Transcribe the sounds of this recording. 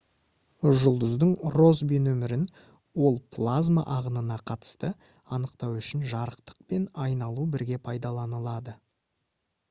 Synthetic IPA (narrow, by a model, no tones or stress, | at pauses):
ʒʊlˠd̪əzd̪əɴro̞zbijnɵmɪɾɪn | wo̞lˠpʰlˠazma̰ʔɑʁənənɑqʰɑt̪ə̥st̪ə | ɑnəqt̪ɑwʏʃɪnʒɑɾəqt̪ə̥q̚pe̞nɑjnɑlˠubɪɾɡʲe̞pʰɑjd̪ɑlˠɑnəlˠɑd̪ə